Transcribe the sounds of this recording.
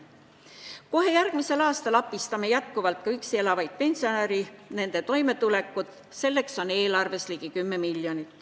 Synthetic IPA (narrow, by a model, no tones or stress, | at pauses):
ko̞ɦe̞jærɡ̥mise̞lɑːst̪ɑlɑpːˑist̪ɑme̞jæt̪̚kuvɑlt̪̚ˑkɑyksie̞lɑvɑjd̪̥̚pe̞nsio̞neɾine̞nd̪̥e̞t̪o̞jme̞t̪ule̞kːˑud̪̥ | se̞lːe̞kso̞ne̞ːlɑrve̞sliɡikymːe̞milːjo̞nit̪ː